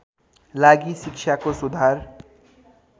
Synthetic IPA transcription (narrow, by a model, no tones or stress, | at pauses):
laɡisik̚t͡ʃʰakosud̪ʱar